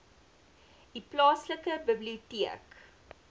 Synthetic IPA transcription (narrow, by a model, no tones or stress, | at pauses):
d̥iplɑːsləkəbəbliutiək